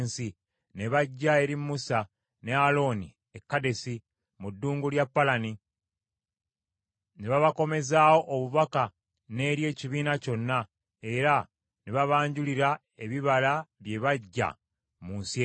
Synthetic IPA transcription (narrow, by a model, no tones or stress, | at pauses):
nsi | ne̞βaɟːae̞ɾimːusa | ne̞alo̞ːni | ekːade̞si | mudːuːŋɡuljapːalani | neβaβako̞me̞zaːwo̞ʔːβuβaka | ne̞ːɾje̞ːciβiːnaco̞nːa | e̞ɾa | neβaβaːɲɟuliɾa | e̞βiβalaβje̞βaɟːa̰ | munsie